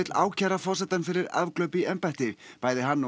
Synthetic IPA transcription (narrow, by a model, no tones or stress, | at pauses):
t̪la̰ːwcʰɛːɾafɔr̥sɛt̪anfɪɾɪɾa̰vklœɥpɪɛmpaht̪ɪpaːjðɪɦanː